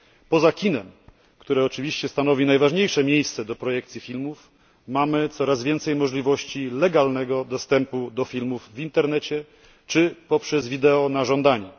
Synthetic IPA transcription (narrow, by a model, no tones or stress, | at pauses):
pɔzakʲinɛm | kt̪uɾɛɔt͡ʂɘvʲiɕt͡ɕɛst̪anɔvʲinajvaʐɲejʂɛmʲjejst̪sɛd̪ɔpɾɔjɛkt̪sʲifʲilmuf | mamɘt̪sɔɾazvʲjɛnt̪sɛjmɔʐlʲivɔɕt͡ɕilɛɡalnɛɡɔd̪ɔst̪ɛmpud̪ɔfʲilmuvːint̪ɛɾnɛt͡ɕɛ | t͡ʂɘpɔpʂɛzvʲid̪ɛɔnaʐɔnd̪aɲɛ